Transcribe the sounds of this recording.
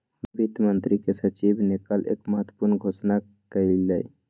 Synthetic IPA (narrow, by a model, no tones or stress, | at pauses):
bʱit̪mənt̪ɾikesət͡ʃibʱnekəlʔḛːkməɦət̪wə̥puɾnɡʱosna | kəilləj